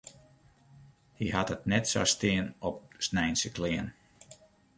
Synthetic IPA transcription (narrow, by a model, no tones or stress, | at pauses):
hiɦatət̚nɛtsa̰stɪːənɔp̚snɛjnsəklɪən